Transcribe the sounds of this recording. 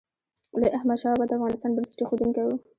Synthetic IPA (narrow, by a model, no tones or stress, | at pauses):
ləʔahmaʃɑbad̪afɣɑnɪst̪ɑnbənɪsʈexod̪uŋkawu